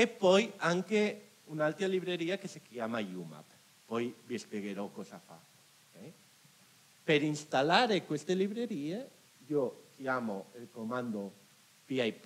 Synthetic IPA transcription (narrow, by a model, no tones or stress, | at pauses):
epːɔjaŋke | unalt̪ɾaliβɾeɾiːakesikjaːmajuma̰p | pɔjvispjeɣeɾɔkːɔsafa̰ | okɛj | peɾinst̪alaɾekwest̪eliβɾeɾiːe | iokjaːmoelkomand̪o | piajp